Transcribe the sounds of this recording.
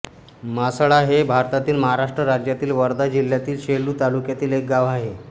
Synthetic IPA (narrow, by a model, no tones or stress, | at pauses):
masɭaɦebʱaɾt̪at̪iːlməɦaɾaʂʈɾəɾad͡ʑjat̪iːlʋəɾd̪ad͡ʑil̤jat̪iːlɕeɭːuːt̪alukjat̪iːlek̚ɡaʋaɦe